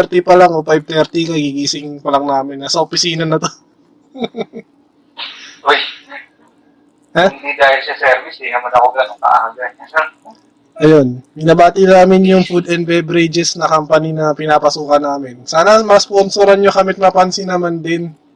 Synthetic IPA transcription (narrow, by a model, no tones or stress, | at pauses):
ɛɾt̪ipɐlaŋopajb̚t̪ɛɾt̪ikɐɡiɡiːsɪŋpɐlɐŋnaːmɪnːɐsɐopɪsiːnɐnɐt̪o | ʔoj | hand̪iɡ̪aːjɐnʃasɛɾmɪst̪inɐmɐnɐkokɐanɐka̰ʔa̰haɡan | ɐjonbɪnɐbaːt̪ɪnnaːmɪnjʊŋfud̪ɛnd̪bɛbɾɪd͡ʒɛsnɐkɐmpɐninɐpɪnaːpɐsuːkɐnaːmɪnsaːnɐmɐsponsoɾɐnɲokɐmɪt̪̚mɐpansɪnɐmand̪ɪn